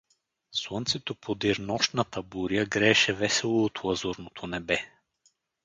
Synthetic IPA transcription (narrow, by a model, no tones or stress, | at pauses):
swont̪sɛt̪opʰod̪iɾnɔʃt̪nɐt̪əbuɾiəɡɾɛːʃɛvɛsɛlˠoot̪lˠɐzuɾnot̪ʰonɛbɛ